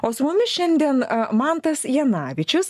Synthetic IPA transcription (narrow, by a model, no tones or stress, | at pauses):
oːsʊmʊmʲɪʃʲɛnʲd̪ʲiɛnmɑnt̪ɐsjɛnɑːʋʲɪt͡ʃʲʊs